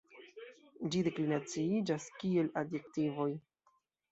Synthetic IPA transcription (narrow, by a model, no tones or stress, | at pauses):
d͡ʒide̞klinat͡siid͡ʒaskie̞ladje̞ktivo̞j